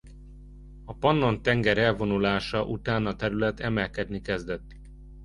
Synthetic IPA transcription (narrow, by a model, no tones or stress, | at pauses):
ɒpɒnːo̞nt̪ɛŋɡɛɾɛlvo̞nulaːʃɒʔut̪aːnɒt̪ɛɾylɛt̪ɛmɛlkɛd̪nikɛzd̪ɛt̪ː